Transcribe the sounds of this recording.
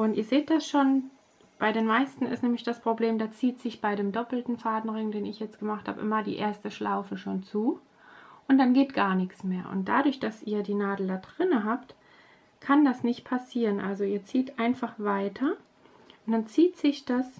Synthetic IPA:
ʔʊntiːɐzeːt̚d̥asʃoːn | b̥aɪɾeːnmaɪstn̩ɪ̰stnɛːmlɪçd̥aspʁ̥obleːmdaːt͡siːtz̥ɪçb̥aɪɾeːmdɔpl̩tn̩faːdn̩ʁɪŋdeːnɪçjɛt͡stɡ̥əmaχtha̰ːbəʔɪmɐdḭːʔḛːɐstəʃlʔaʊfəʃoːnt͡suː | ʔʊnt̚d̥anɡeːtɡ̥aːɐnɪkt͡smeːɐʔʊ̰nt̚d̥a̰dʊɐçd̥asʔiːɐdiːnaːdl̩daːdʁɪnəɦaːpt | kʰandasnɪçt̚pʰasiːʁənʔa̰lzoiːɐt͡siːtʔaɪnfaχv̥aɪtʰɐ | ʊnd̥ant͡siːtz̥ɪçd̥as

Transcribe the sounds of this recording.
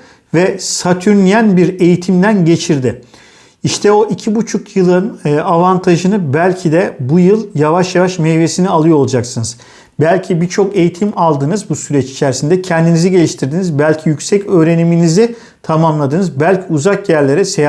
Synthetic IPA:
vɛsat̪ʰyɾnʲijænbiɾe̞jit̪ʰimd̪ænɟe̞t͡ʃʰiɾd̪ɪ | iʃt̪ʰɛo̞ʔicʰibut͡ʃʰukjɯlˠɯnavant̪ʰaʒɯnɯbælʲcʰid̪ɛbujɯlˠjavaʃjavaʃmɛjve̞sinialˠɯjolˠud͡ʒaksɯnɯz̥ | bælʲcʰibiɾt͡ʃʰo̞ke̞jit̪ʰimalˠd̪ɯnɯzbusyɾɛt͡ʃi̥t͡ʃʰæɾsind̪ɛcʰɛnd̪iniziɟe̞lʲiʃt̪ʰiɾd̪inizbælʲcʰijycsɛcʰø̞ːɾe̞niminizi | t̪ʰamamlˠad̪ɯnɯzbælʲcʰiuzakjæɾlʲe̞ɾɛsej

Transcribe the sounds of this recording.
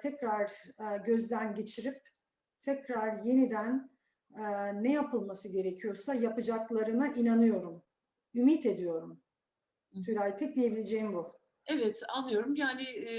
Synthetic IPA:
t̪ʰɛcɾaɾɟø̞zd̪ænɟe̞t͡ʃʰiɾip̚ | t̪ʰɛcɾaɾje̞nid̪æn | ɛːɛjapɯlˠmasɯɟe̞ɾecʰijo̞ɾsajapɯd͡ʒaklˠaɾɯnaʔinanɯjo̞ɾum | ymit̪e̞d̪ijo̞ɾum | t̪ʰyɾajt̪ʰic̚d̪ije̞bilʲed͡ʒejimbu | ɛvɛt̪a̰nːɯjo̞ɾumjaːnɪ

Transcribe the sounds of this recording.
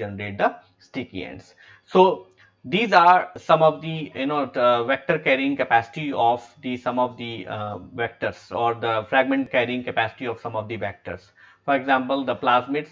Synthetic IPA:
ɛnəɾeːʈ̚d̪ə | sʈɪkḭḛ̃ɳɖs | soː | d̪iːzaːɾsɐ̃mɔːʋd̪ijʊnoːʋɛk̚ʈəɾkɛːɾiɪ̃ŋɡkepæːsɪ̥ʈiɔːʋd̪isɐ̃mɔːʋd̪iʋɛk̚ʈəɾsɔːɾd̪əfɾɛːɡ̚mẽɳʈkɛːɾiɪ̃ŋɡkepæːsɪ̥ʈiɔːʋsɐ̃mɔːʋd̪iʋɛk̚ʈə̰ɾs | fɔːɾeɡzãːmpəld̪əplaːsmɪʈs

